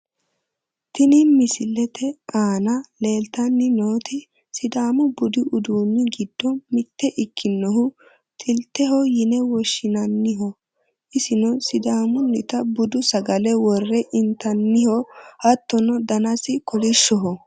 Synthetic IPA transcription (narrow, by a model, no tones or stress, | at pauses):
t̪ɪnɪmɪsɪlːɛt̪ɛʔaːnɐle̞ːlt̪ɐnːɪnoːt̪ɪ | sɪd̪aːmʊbʊd̪ɪʔʊd̪uːnːɪɡɪd̪̥ːɔmɪt̪ːɛʔɪkʰːɪnːɔɦʊ | t̪ʼɪlt̪ːɛɦɔjɪnɛwɔʃːɪnɐnːɪɦɔ | ʔɪsɪnɔsɪd̪aːmʊnːɪt̪ɐbʊd̪ʊsɐɡɐlɛwɔrːɛʔɪnt̪ɐnːɪhɔhɐt̪ːɔnɔd̪ɐnɐsɪkɔlɪʃːɔɦɔ